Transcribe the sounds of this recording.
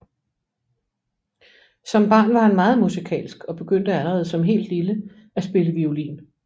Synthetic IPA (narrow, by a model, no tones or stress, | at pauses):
sɒ̽mb̥ɑ̰̈ːnʋɑ̈hænmɑ̈ːð̞̩ˠmusikʰɛ̰ːlsɡ̥ɒ̽b̥e̝ɡ̥øn̰d̥əæləʁɛːð̞̩ˠsɒ̽mɦe̝̰ːld̥lilə | æsb̥e̝ləʋiolḭːn